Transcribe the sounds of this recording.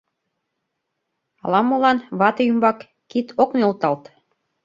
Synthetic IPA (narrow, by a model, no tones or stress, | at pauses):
ɑ̰lɑmːolɑnβɑt̪ɤjymbɑkː | it̪ʰokneolt̪ɑlt̪